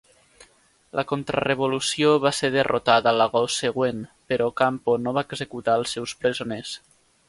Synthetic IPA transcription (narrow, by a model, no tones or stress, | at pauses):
lʔəkont̪ɾə̰reβolusioβaseɾðərʔot̪aðəːləɣɔseɣwenpəɾɔkamponoβaeɡzekut̪aəlˠsːɛwspɾəzones